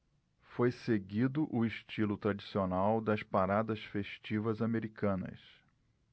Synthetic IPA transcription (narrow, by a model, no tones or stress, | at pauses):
fojseɡid̪ʊʔʊɪʃt͡ʃilʊt̪ɾad͡ʒisionawd̪ɐspaɾad̪ɐsfeʃt͡ʃivɐzameɾikɐ̃nɐ̰s